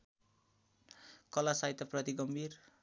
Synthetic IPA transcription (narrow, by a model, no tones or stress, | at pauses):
kʌlasajt̪aprʌt̪iɡʌmbʱir